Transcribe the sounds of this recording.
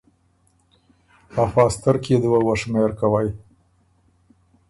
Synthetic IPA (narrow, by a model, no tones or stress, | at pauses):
afɑːst̪əɾked̪əwawəʂmeɾkawaj